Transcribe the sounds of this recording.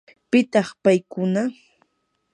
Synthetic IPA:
pɪt̪ɑχpajkʊna

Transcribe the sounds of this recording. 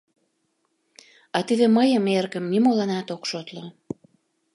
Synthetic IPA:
ɑt̪iðeməjəmerɣəmnimolɑnɑt̪okʃot̪lo

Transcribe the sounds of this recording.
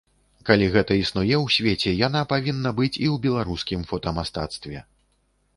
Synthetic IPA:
kalʲiɣɛt̪ɐisnujɛwsʲvʲet͡sʲɛjanapavʲinːɐbɨt͡sʲiwbʲɛlˠaɾuskʲimfɔt̪ɐmast̪a̰t̪st̪vʲɛ

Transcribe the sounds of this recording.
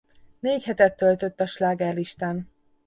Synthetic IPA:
neːchɛt̪ɛt̪ːølt̪ø̞t̪ːɒʃlaːɡaːliʃt̪an

